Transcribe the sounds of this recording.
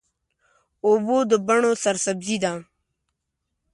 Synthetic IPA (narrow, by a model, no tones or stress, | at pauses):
obod̪əbaɳosɐɾsɐbzid̪a